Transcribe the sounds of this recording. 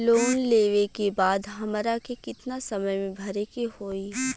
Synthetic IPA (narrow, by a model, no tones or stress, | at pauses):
loːnleːʋekebaːd̪ɦɐmɾakekɪt̪nasɐməjmẽbʱɐɾekehoːi